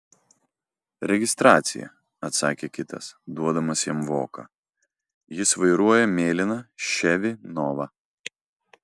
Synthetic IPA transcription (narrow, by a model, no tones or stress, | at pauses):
ɾʲɛɡʲɪst̪ɾɑːt̪sʲɪ̰jɛ̰ | ɐt̪sɑːkʲeːkʲɪt̪ɐ̰sd̪uɔd̪ɐmɐsjɛmʋo̰ːkɐ̰ | jɪsʋɐɪɾuɔjɛmʲeːlʲɪnɐʃʲɛʋʲɪnɔːʋɑ